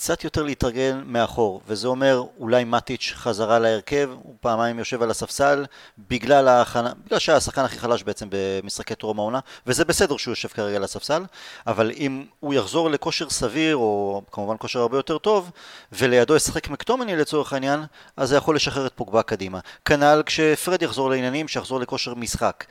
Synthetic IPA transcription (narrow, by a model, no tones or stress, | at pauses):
kt͡sat̪jo̞t̪e̞ʁleitʁaɡe̞nmeaχo̞ʁvezeo̞me̞ʁulajmat̪it͡ʃχazaʁalaeʁke̞vupaːmajmjo̞ʃe̞valasafsalbiɡlalaːχanabiɡlalʃeasaχkanaχiχalaʃbeet͡se̞mbe̞misχake̞t̪ʁo̞maonavezebe̞se̞de̞ʁʃeujo̞ʃe̞v̥kaʁeɡalasafsalavalimujaχzo̞ʁle̞ko̞ʃe̞ʁsaviʁo̞kamuvanko̞ʃeʁaʁbejo̞t̪e̞ʁt̪o̞vve̞le̞jad̪ojesḁχe̞kmikt̪o̞menilet͡so̞ʁeχainjanʔazjaχo̞lːeʃaχeʁet̪̚poɡbakadimakanalkʃefʁed̪jaχzo̞ʁleinjanimʃejaχzo̞ʁleko̞ʃe̞ʁmisχak